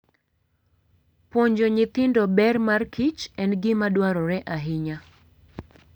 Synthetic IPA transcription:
poɲd͡ʒoɲɪt̪ɪndɔbɛrmarkʰit͡ʃɛnɡɪmadwaɾɔɾɛʔaɦɪɲa

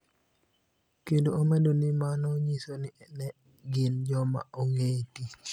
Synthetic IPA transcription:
kendoomɛdonimanɔɲisoninɛ | ɡɪnd͡ʒɔma̰ɔŋetit͡ʃ

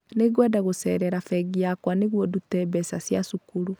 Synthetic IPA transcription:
neɡwadaɣosɛɾɛɾafɛɡiakwaneɣwɔdutɛβɛsasjasukuɾu

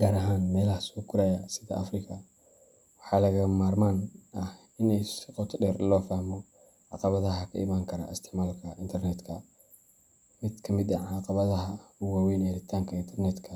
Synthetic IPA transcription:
ɡ̥aːɾɐɦaːnmɛːlɐhɐsɔːkʰʊɾajɐsɪðɐ̰ʔɐfrɪkʰɐ | wɑħɑːlɐɣɐmaːrmaːnʔɐh | ɪnɛjsɪqɔt̪ʰɖɛːrlɔːfahmɔ | ʕɑ̰qɑβɐðɐɦɐkʰɐ̰ɪ̰maːŋkʰɐɾɐ̰ɪ̰st̪ʰɪʕmaːlkʰɐʔɪnt̪ʰɛrnɛd̪kʰɐ | mɪd̪kʰɐmɪd̪ɐʕɑqɑβɐðɐɦɐʊwaːwɛjnːɾɪt̪ʰaːŋkʰɐɪnt̪ʰɛrnɛd̪kʰɐ

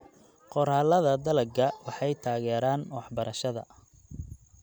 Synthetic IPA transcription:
qɔɾalɐðɐd̪ɐlɐɡɐwɑħɑjt̪ʰaːɣɛːɾaːnwɑħbɐɾʔɐʃɐðɐ̰

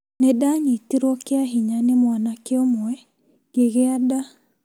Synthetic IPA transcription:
nɛdaɲitiɾwɔkɪaɦiɲanɪmwanakɪɔmɔɛ | ɡ̥eɣeada

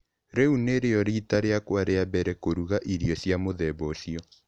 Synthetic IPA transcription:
ɾɛuneɾeɔɾitaɾeakwaɾeabɛɾɛkoɾuɣaʔiɾiɔsjamoðɛbɔsiɔ

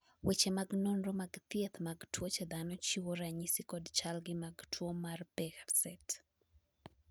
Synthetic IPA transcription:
wet͡ʃemaɡnonromaɡt̪jet̪maɡtwot͡ʃɛd̪anɔt͡ʃiwoɾaɲɪsɪkɔdt͡ʃalɡɪmaɡtʰwomarpɛɣasɛt

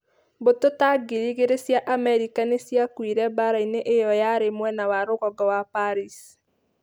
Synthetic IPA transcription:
bototaɡiɾiɣeɾesjaʔamɛɾikanesjakwiɾɛbaɾaineʔejɔjaɾemwɛnawaɾoɣɔɡɔwapaɾis

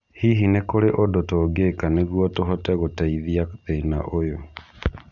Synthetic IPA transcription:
hiɦinekoɾeʔodotoːɡeːkaneɣwɔtoɦɔtɛɣotaiðiaðeina̰ʔojo

